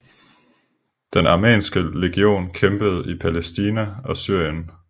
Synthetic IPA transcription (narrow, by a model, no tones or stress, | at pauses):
d̥enɑ̈mḛːnsɡ̥əle̝ɡ̥io̝̰ːnkʰemb̥əð̞̩ˠipʰælesd̥iːnæɒ̽syɐ̰jən